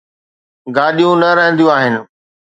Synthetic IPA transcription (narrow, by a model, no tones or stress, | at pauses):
ɡaːɗijũnɐɾɐɦə̃nd̪ijũaːɦɪnɪ̆